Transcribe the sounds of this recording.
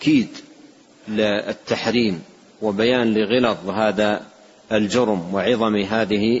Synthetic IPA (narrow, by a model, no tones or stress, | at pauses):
kiːd̪ | lɪɪt̪ːaħɾiːm | wɪbajaːnlɪɣɪlɑðˤɦaːða | ɪld͡ʒʊɾmwɪʕɪðˤɑmiɦaːðɪhɪ